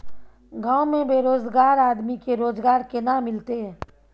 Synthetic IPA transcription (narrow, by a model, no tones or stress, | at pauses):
ɡãːomẽbeːɾoːzɡaːɾaːd̪mikeɾoːzɡaːɾkenamɪlt̪e